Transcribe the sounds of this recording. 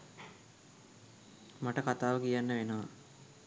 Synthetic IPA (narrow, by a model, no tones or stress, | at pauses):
maʈəkat̪aːʋəkijanːəʋenəʋa